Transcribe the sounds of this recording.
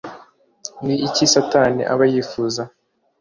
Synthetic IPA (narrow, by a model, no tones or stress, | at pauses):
niːcisataːnḭʔa̰βajiːfuːza